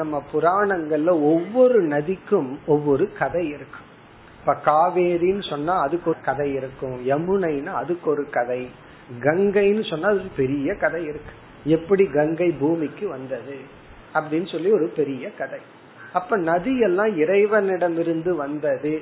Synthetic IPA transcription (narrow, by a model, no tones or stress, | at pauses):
nɐmːɐpʊɾaːɳɐŋɡɐɭːɐɔʋːɔɾɯnɐðɪkːɯmɔʋːɔɾɯkɐðɐɪɪɾɯkːɯ̥m | ɐpːaːkaːʋeːɾinɯsɔnːaːɐðɯkːɔɯkɐðɐɪɪɾɯkːɯ̃mɛmɯɳɐɪnaːɐðɯkːɔɾɯkɐðɐɪ | ɡɐŋɡɐɪnːɯsɔnːaːɐðɯkːɯpɛɾɪjɐkɐðɐɪɪɾɯkːɯ̥ | ɛpːɐɽiɡɐŋɡɐɪbuːmɪkːɯʋɐnd̪ɐðɯ | ɐpːɐɽɪnːɯsɔlːiɔɾɯpɛɾɪjɐkɐðɐɪ | ɐpːɐːnɐðɪjɛlːãːɪɾɐɪʋɐnɪɽɐmɪɾɯnd̪ɯʋɐnd̪ɐðɯ